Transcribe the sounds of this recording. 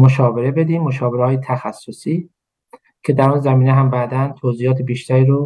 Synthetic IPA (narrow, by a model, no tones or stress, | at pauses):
moʃɒːveɾe̞be̞d̪iːmːoʃɒːbeɾeɒːjet̪ʰæxæsːosiː | cʰe̞d̪æɾunzæmiːneɦæmbæːd̪ænt̪ʰoːziːjɒːt̪ʰebiːʃt̪ʰæɾiːɾo